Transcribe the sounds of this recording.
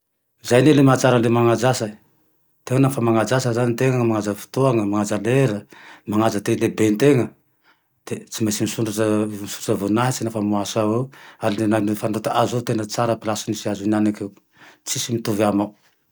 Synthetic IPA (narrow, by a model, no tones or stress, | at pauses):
zajnelemat͡saɾəlemaŋad͡zasa | t̪eŋənfamaŋad͡zasəzanit̪eŋəmaŋazəfu̥t̪oaŋəmaŋad͡zaleɾəmaŋazət̪elebent̪eŋə | d̪̥et͡simasimisuɳɖ͡ʐaʈ͡ʂəmisuraʈ͡ʂəvunaɦit͡sinafamuasawealinnanifanɖ͡ʐot̪aʔazot̪enət͡saɾəpilasunisiazunanakew | t͡sisimit̪uvama